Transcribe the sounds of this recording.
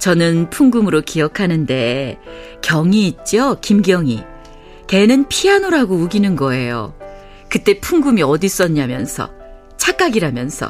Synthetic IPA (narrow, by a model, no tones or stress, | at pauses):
t͡ɕʌnɯnpʰuŋɡumɯɾokijʌkʰanɯnde̞ | kjʌŋiːt̚t͡ɕ͈ʌkimɡjʌŋi | te̞nɯnpʰianoɾaɡouɡinɯnɡʌe̞jo̰ | kɯt͈e̞pʰuŋɡumiʌdis͈ʌɲːamjʌnsʰʌ̰ | t͡ɕʰak͈aɡiɾamjʌnsʰʌ̰